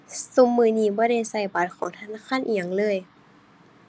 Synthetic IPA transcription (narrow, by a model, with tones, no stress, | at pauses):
su˧˦mːɯː˧˩˨niː˧˩bɔː˧˩˦ɾa˧˨jsa˧˩jbaː˨˩t̪̚kʰɔː˨˦ŋt̪ʰa˧naː˧˥˨kʰaː˧˥˨nʔiː˧˩ɲa˧˨ŋlɤː˧˩˨j